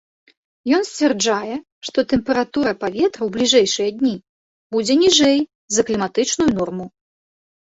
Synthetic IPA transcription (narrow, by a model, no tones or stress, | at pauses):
jɔnsʲt͡sʲvʲɛrd͡ʐajɛ | ʂt̪ɔt̪ɛmpɛɾat̪uɾɐpavʲɛt̪ɾɐwblʲiʐɛjʂɨjɐd̪ʲnʲi | bud͡zʲɛnʲiʐɛj | zɐklʲimat̪ɨt͡ʂnujunɔrmu